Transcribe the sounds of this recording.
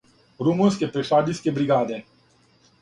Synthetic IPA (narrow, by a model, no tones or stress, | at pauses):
ɾumuskepeʂaːɖ̪iskebɾiɡaːd̪e